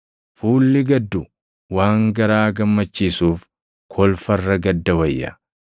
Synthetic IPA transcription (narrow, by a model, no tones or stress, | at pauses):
fuːlːɪɡɐd̪ːʊ | waːŋɡɐɾaːɡɐmːɐt͡ʃːiːsuːf | kʰɔlfɐrːɐɡɐd̪ːɐwɐjːɐ̰